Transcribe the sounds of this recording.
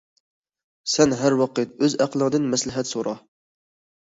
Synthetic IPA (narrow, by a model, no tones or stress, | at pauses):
sɛnɦæɾwɑqət̪̚øzæqʰlˠəŋd̪ɨnmɛslɪɦɛt̪soɾɑ